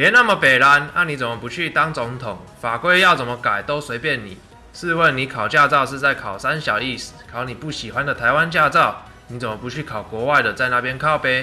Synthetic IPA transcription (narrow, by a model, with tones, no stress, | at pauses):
jjɛ˨˦na˥˩mə˨pe˨˩ɪla˧˦na˥˩ni˨˥t͡sə˨˩mə˨˦pu˧˦t͡ɕʰy˥˩t̪ɑ˥ŋt͡sʊ˧˦˥ŋt̪ʰʊ˨˩˦ŋ | fa˨˩kwe˥˧ɪjɑ˥˩ʊt͡sə˨˩nmə˦ka˨˩ɪt̪o˥ʊswe˧˥ɪpjɛ˥˩nnḭ˨˩ | ʂɹ̩˥˧wə˥˩ni˨˦kʰɑ˨˩ʊt͡ɕja˥˧t͡sɑ˥˧ʊʂɻ̩˥˧t͡sa˥˩ɪkʰɑ˨˩ʊsa˦nɕjɑ˨˩ʊi˥˩s̩˨˩kʰɑ˨˥˦ʊni˨˩pu˥˩ɕi˨˩xwa˦nd̪ə˨t̪ʰa˧˥ɪwa˦nt͡ɕja˥˧t͡sɑ˥˨ʊ | ni˧˥t͡sə˨˩mə˨˩pu˧˦t͡ɕʰy˥˩kʰɑ˨˩ʊkwɔ˨˧˥wa˥˩ɪd̪ə˨t͡sa˥˧ɪna˥˩pjɛ˥nkʰɑ˥˩ʊpe˥ɪ